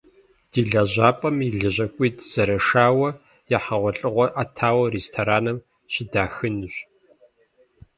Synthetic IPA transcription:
d̥iːɮɐʑaːpʼɐmiɮɨʑɐkʷʼiːtʰz̥ɐɾɐʂaːwɐ | jaħɐʁʷɔɬʼɨʁʷɔʔatʰaːwɐreːstʰoɾaːnɐm | ɕɪdaːxɨnɨɕ

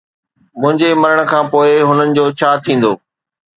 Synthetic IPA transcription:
mʊ̃ɦɪ̃ɲd͡ʑemɐɾəɽ̃kʰãːpoːɪɦʊnənɪ̆d͡ʑoːt͡ɕʰaːt̪ʰĩːn̆d̪oː

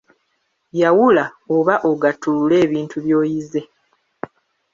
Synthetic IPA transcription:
jawulaoβaʔo̞ɡatulule̞ːβiːntʰuβjo̞ːjize̞

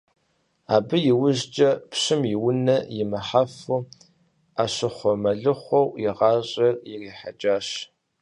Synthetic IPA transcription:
a̰ːbɨjɪwʊʑd͡ʒʼɐpɕɪmjɪwʊnɐjɪmɐħafu | aːɕɪχʷɔmɐɮɨχʷɔwjɪʁɑːɕʼɐrjɪriːħad͡ʒaːɕ

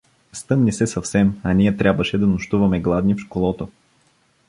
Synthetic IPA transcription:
st̪ɤmnisɛsɐfsɛmɐnijɛt̪ɾʲʔabvəʃɛd̪ɐnʊʃt̪uvɐmɛɡlˠad̪nifʃkolˠɔt̪o

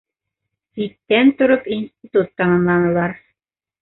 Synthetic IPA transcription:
sit̪ːænt̪ŏɾopinsʲt̪ʲɪt̪ut̪ːɑmɑmlˠɑnɤ̆lˠɑɾ

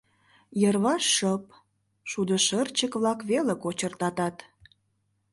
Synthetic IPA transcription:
jərβɑʃːəp | ʃud̪əʃərt͡ɕəkβlɑkβelekot͡ɕərt̪ɑt̪ɑt̪

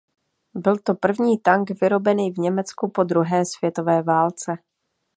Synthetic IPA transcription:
bɪlt̪o̞pr̩vɲiːt̪aŋɡvɪɾo̞bɛniːvɲɛmɛt͡skupo̞d̪ɾuɦɛːsv̥jɛt̪o̞vɛːvaːlt͡sɛ

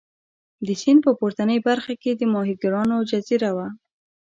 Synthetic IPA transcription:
d̪əsind̪̚pəpoɾt̪anəjbaɾxaked̪əmɑɦiɡɾɑnod͡ʒaziɾawa

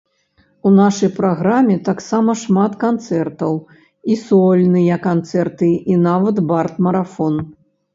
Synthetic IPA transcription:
unaʂɐjpɾaɣɾamʲɛt̪aksamɐʂmat̪kant̪sɛrt̪ɐw | isɔlʲnɨjɐkant̪sɛrt̪ɨinavɐd̪bart̪mɐɾafɔn

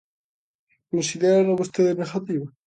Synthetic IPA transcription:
konsiðeɾaloβost̪eðeneɣat̪iβa

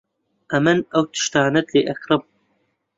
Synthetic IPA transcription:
ʔɐmɨnɐwt̪ʰɨ̥ʃt̪aːnɐt̪leːʔɐkɾɨm

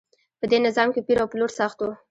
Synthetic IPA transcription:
pəd̪enɪzɑmkepiɾawploɾsaxt̪wo

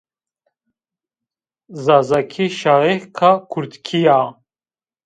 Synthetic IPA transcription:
zazakʰiʃaɣihkʰakʰuɾd̪kʰija

